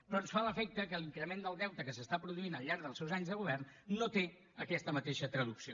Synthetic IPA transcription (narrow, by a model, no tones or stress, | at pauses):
pɾɔənsfaləfɛk̚t̪əkəliŋkɾəmend̪əlˠd̪ɛwt̪əkəsəst̪apɾuðuinəʎˠʎːaɾɡðəlˠsɛwzaɲzðəɣuβɛrnːot̪e | əkɛst̪əmət̪eʃət̪ɾəðuksio